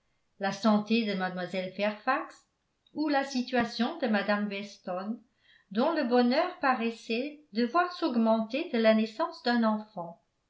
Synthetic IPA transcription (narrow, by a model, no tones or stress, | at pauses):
lasɑ̃t̪ed̪əmad̪mwazɛlfɛʁfaks | ulasit̪ɥasjɔ̃d̪əmad̪amvɛst̪ɔn | d̪ɔ̃ləbɔnœʁpaʁɛsɛd̪əvwaʁsɔɡmɑ̃t̪ed̪əlanɛsɑ̃sd̪ɛ̃nɑ̃fɑ̃